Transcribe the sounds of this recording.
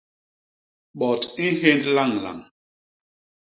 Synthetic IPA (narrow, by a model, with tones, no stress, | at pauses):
ɓɔ˨ti˦ɦe˦ndla˦˨ŋla̰˨ŋ